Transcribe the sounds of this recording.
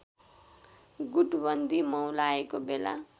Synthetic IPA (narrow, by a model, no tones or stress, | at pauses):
ɡuʈbʌnd̪ʱimʌwlaekobela̰